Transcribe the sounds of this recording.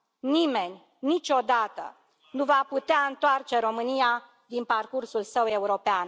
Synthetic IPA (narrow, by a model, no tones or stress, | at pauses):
nime̞nʲ | nit͡ʃo̞d̪at̪ə̰ | nuvaput̪eaɨnt̪oart͡ʃe̞ɾo̞mɨnija | d̪inparkursulsəwe̞uɾo̞pean